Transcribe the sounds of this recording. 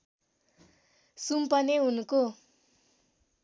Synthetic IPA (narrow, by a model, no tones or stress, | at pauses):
sumpʌneɦunuko